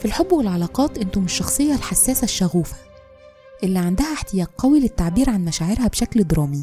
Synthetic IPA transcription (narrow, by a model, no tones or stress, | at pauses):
filħobːwelʕɑlɑːqɑːt̪ʔɪnt̪ʊmɪʃːɑxsˤɨjːɑlħasːæːsæʃːæɣuːfæ̥ | ʔɪlːiʕand̪æhæħt̪ɪjæːʔqːɑwilɪt̪ːaʕbiːɾʕanmæʃæːʕeɾhæbʃækld̪ɾˤɑːmi